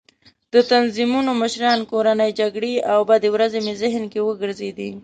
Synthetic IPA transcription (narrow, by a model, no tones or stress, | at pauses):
d̪̥ət̪anzimunoməʃɾɑnkoɾanəjd͡ʒaɡɽeawbad̪ewɾazemezɪɦnkewəɡəɾzed̪i